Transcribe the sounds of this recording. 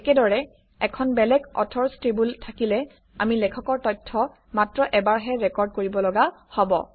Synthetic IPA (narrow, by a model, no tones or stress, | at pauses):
ɛkɛdɔɹɛ | ɛkʰɔnbɛlɛkɔ̰tʰɔɹstɹibultʰakilɛ | a̰milɛkʰɔkɔɹtɔjtʰːɔ | matɹɔʔɛbaɹɦɛɹɛkɔɹd̚koɹibɔlɔɡa | hɔbɔ